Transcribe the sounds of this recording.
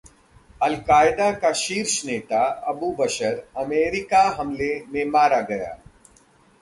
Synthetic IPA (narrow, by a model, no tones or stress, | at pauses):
ɐlkaːɪd̪akaʃiːɾʃneːt̪aɐbubɐʃəɾɐmeːɾɪkaɦɐmlemẽmaːɾaɡɐja̰ː